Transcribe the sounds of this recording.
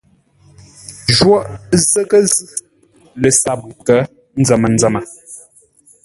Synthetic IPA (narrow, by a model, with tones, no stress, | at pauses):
ʒwɔ˦˨ʔzə˦kə˦zʉ˦ | lə˨sa˨p̚kə˦ | n̩˦d͡zə˨mə˨n̩d͡zə˨mə˨